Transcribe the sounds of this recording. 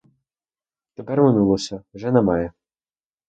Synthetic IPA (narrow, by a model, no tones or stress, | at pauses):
t̪ɛpɛrmɨnulˠɔsʲɐʐɛnɛmajɛ